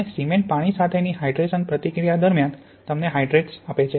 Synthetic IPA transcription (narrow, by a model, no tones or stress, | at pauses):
esimeɳʈ̚paɽ̃isat̪ʰeniɦajɖɾesənpɾət̪ikɾijad̪əɾmjan | t̪əmneɦajɖɾeʈsapet͡ʃʰe